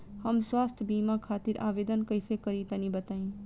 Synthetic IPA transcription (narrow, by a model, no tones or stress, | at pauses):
həmswaːst̪ʰbiːmãkʰaːt̪iɾʔa̰ːʋeːd̪ənkəjsekəɾit̪anĩbət̪aːĩ